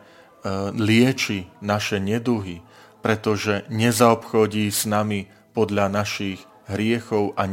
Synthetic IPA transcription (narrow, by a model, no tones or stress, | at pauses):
lɪɛt͡ʃinaʃɛɲɛd̪uɦi | pɾɛt̪ɔʒɛɲɛzaɔpxɔɟiːsnami | pɔd̪ʎanaʃiɣ | ɦɾɪɛxɔʊʔa